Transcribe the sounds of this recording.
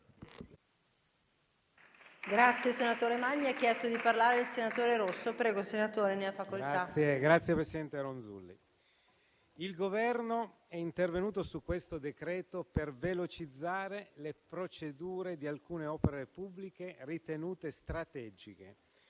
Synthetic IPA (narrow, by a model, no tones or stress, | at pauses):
ɡɾat̪sːjesenat̪oːɾemaɲːiɛkːjɛst̪od̪iparlaːɾeelsenat̪oːɾeɾosːopɾɛːɡosenat̪oːɾeneafakoltaajeɡɾat̪sːjepɾesid̪ɛnt̪eɾonzṵlːḭ | ilɡovɛrno | ɛint̪ervenuːt̪osukːwest̪od̪ekɾɛːt̪opervelot͡ʃid̪zːaːɾelepɾot͡ʃed̪uːɾed̪ialkuːneɔːpeɾepubːlikerit̪enuːt̪est̪ɾat̪ɛːd͡ʒikḛ